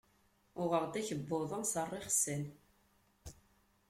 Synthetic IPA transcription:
ʊʁəʁd̪æçəbːʊðˤənsərˤːɪχsən

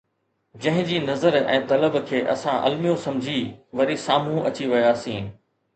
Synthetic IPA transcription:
d͡ʑɐ̃ɦɪ̃d͡ʑiːnɐzəɾɛ̰̃ːt̪ɐləbkʰeːʔɐ̰sãʔɐ̰lmijõsɐ̃md͡ʑʱiʋɐɾisaːm̤ũʔɐt͡ɕiʋɐjaːsĩː

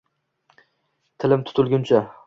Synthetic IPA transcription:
t̪ʰɪlɪmt̪ʰʊ̥t̪ʰʊlˠɡʲʊnt͡ʃʰa

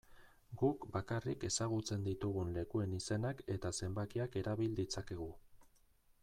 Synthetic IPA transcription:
ɡukbakarike̞saɣ̞ut͡se̞nd̪it̪uɣ̞unle̞kue̞nise̞nake̞t̪ase̞mbakiake̞ɾaβild̪it͡sake̞ɣ̞u

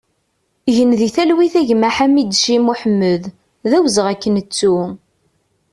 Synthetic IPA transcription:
ʝənðiθælwiθæʝmaħamid̪ʃimuħəmːəð | ðæwzəʁækːənət͡sːu

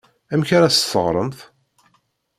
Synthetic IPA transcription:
æmçaɾæsθəʁɾˤəmθ

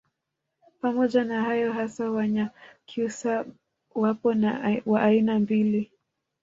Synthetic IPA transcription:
pamɔʄanahajɔɦasawaɲakʰiusa | wapɔnawaʔːinambili

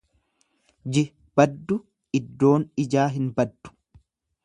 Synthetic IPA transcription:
d͡ʒɪ | b̥ɐd̪ːʊ | ɪd̪ːo̞ːnɪd͡ʒaːɦɪnbɐd̪ːʊ̥

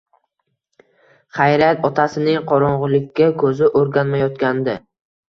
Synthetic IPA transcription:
χajɾat̪ɒt̪ʰasɪnɪŋqʰɒɾɒɴʁʊlɪkʲʰːakʰɵzɪʔoɾɡʲanmajɒt̪kʲʰand̪ɪ

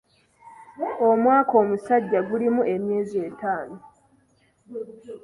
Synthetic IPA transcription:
o̞mwaːko̞ːmusaɟːaɡulimue̞mje̞ːze̞ːtaːno

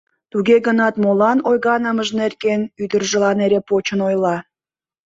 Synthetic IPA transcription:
t̪uɣeɣənɑt̪molɑnojɣɑnəməʒnerkenyd̪ərʒə̆lɑneɾepot͡ɕənojlɑ

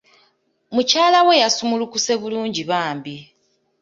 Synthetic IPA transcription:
mucaːlawe̞jasumulukuse̞βuluːɲɟiβaːmbi

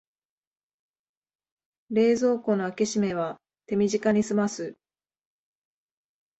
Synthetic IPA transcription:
ɾe̞ːzo̞ːko̞no̞akeɕime̞β̞a | t̪e̞mʲiʑikaɲ̟isɨmasɨ

